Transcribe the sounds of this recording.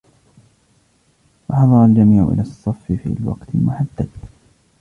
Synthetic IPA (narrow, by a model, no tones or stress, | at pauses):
wɑħɑðˤɑɾˤɑld͡ʒamiːʕʊ̰ʔɪ̰lasˤːɑfːɪfḭːlwɑ̰qt̪ɪmʊħad̪ːad̪